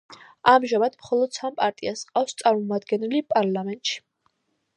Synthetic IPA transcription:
amʒamad̪̥mχɔlˠɔd̪̥sampʼaɾt̪ʼiasqʼafst̪sʼaɾmɔmad̪ɡɛnɛlipʼaɾlˠamɛnt̪ʼʃi̥

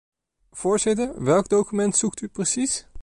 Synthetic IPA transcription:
v̥ʊːɹzɪtəɹʋɛlˠkdowkymɛntsuktyprəsis

